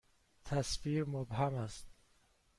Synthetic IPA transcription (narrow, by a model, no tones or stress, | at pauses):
t̪ʰæsfiːɾmobhæmæst̪̚